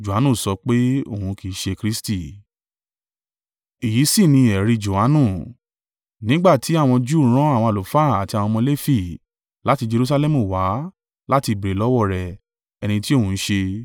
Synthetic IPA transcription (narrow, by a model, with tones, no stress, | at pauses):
d͡ʒo˨a˨˦nũ˦˨sɔ˧˦k͡pe˦o˦˨hũ˧ki˨˦ʃe˧kɾi˦sti˦˨ | i˨ji˨˦si˦˨nĩ˧ɛ˨ɾi˧d͡ʒo˨a˨˦nũ˦˨ | nĩ˦ɡ͡ba˦˨tʰi˨˦a˦˨w̃ɔ̃˧d͡ʒu˦ɾ̃ɔ̃˦a˦˨w̃ɔ̃˧a˨lo˨fa˦˨a˨ti˧a˨w̃ɔ̃˧mɔ̃˧le˦fi˦˨ | la˦ti˧d͡ʒe˧ɾu˧˦s̬a˧lɛ˦mũ˦˨wa˨˦ | la˦ti˧˨bi˨ɾe˨lɔ˦wɔ˦˨ɾɛ˨ | ɛ˧nĩ˧ti˦o˦˨ũ˧˦ʃe˧